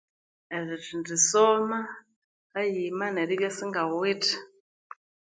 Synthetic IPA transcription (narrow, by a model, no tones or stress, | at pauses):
ɛriʐindisɔma | kajimanɛɾiβjasiŋɡawitʰi̥